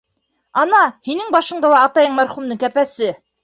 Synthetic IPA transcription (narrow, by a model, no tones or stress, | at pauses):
ɑnɑhinɘŋbɑʃɤ̆ɴd̪ɑlˠɑːt̪ɑjɤɴmæɾχumd̪ɤŋkæpæsɘ